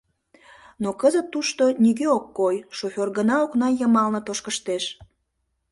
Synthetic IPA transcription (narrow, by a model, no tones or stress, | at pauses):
nokəzət̪ːuʃt̪oniɣøokːojʃofʲorɣənɑoknɑjəmɑlnə̆t̪oʃkəʃt̪eʃ